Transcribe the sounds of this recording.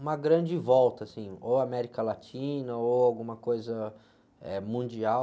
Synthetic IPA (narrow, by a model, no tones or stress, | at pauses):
ũmɐɡɾɐ̃d͡ʒɪvɔwt̪ɐːsĩoamɛɾikɐlat͡ʃĩnɐoawɡũmɐkojzɐ | ɛmũd͡ʒiaw